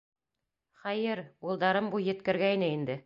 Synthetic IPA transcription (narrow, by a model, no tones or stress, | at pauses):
χæjɘɾulˠd̪ɑɾɤmbujɘ̆t̪kɘ̆ɾɡæinɘind̪ɘ